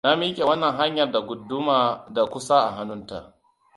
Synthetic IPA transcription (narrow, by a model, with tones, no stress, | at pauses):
na˦mi˦kʲe˨wɐ˦nːɐ˨ŋɦa˦ɲjɐ˨rda˨ɡʷʊ˨dːʊ˦maː˨da˨kʷʊ˦sa˦ʔa̰˨ɦa˦nʊ˦nta̰˨ʔ